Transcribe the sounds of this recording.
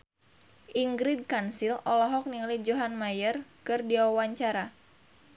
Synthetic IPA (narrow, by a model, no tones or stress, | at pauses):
ʔiŋɡɾid̚kansilɔlɔɦɔk̚niŋlid͡ʒoɦanmajərkɨrdiawaɲt͡ʃaɾa